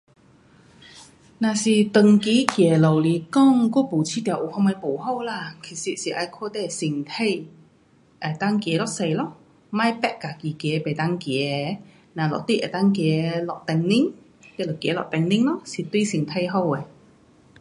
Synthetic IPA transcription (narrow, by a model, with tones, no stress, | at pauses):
naː˨˩si˨˩t̪ə˨ŋki˨˥˦kjɛː˨˩lo˨˩wli˨˩kɔː˥˨ŋkɔː˥pu˨˩t͡sʰiː˧˥t̪ɛ˨˩ʔo˨˩hɔ˧ŋma˧po˨˩who˥˧wlaː˧˩kʰi˨˩si˧siː˨˩ʔa˧kʰɔː˥t̪ɛː˧˩si˨˩ŋt̪ʰe˥˧j | ʔɛ˨˩t̪aː˧˥ŋkjɛː˨˦lɔː˥k̚se˧jlɔ˦˥ | maː˧˥jpɛ˧˥ʔ̚kaː˨˩ki˨kɛː˨˦pe˨˩t̪aː˧˥ŋkjɛː˨˦ | naː˨˩lɔ̰˨k̚t̪i˥ʔɛ̰˨˩t̪aː˧˥ŋkjɛː˨˦lɔ˨k̚t̪ɛ˧ŋni˥ŋ | t̪ɛː˧˩lo˨˩kjɛː˨˦lɔ̰˨k̚t̪ɛ˧ŋni˥ŋlɔ˧˥si˨˩t̪wi˥jsi˨ŋt̪ʰe˥˧jɦo˥˧wɛ˨